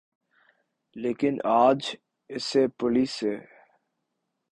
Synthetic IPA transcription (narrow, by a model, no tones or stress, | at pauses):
leːkɪnaːd͡ʒ | ɪseːpʊliːseː